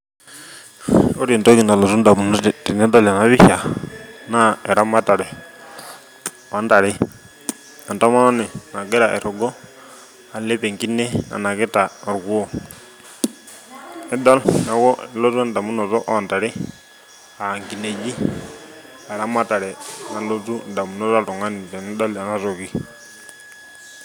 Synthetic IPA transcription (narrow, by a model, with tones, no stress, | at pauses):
o˦ɾi˨nto˦ki˨na˨lɔ˨su˦nda˨mu˨n˦˨ti˨nɛ˦dɔ˦˨la˨na˨˦βi˦ʃa˨na˦ɛ˨ɾa˦ma˦ta˨ɾɛ˨ | ɔ˨a˨˦nta˨ɾɪ˦ | a˨nta˦ma˦nɔ˦nɛ˨na˨ɡɛ˦ɾa˨ʔɛ˨ɾɔ˨ɡɔ˦ | a˨lɛ˦pɛ˨ŋki˦nɛ˦a̰˨na˨kɛ˦ta˨a˨ɾɡu˦ɔ˦ | nɛ˦da˦lna˨˦kɔ˦ɛ˨lɔ˦zu˦n˨da˨mu˦nɔ˨zɔ˦ʔɔ˦a˨nta˨ɾi˦ | a˨ŋki˨ne˨d͡ʒi˦ | a˨ɛ˨ɾa˦ma˦ta˨ɾɛ˨na˨lo˦tu˦n˨da˨mu˨nɔ˦za˦ltɔ˨ŋa˦ni˨tɛ˨nɛ˦da˦la˨na˦sɔ˨ki˦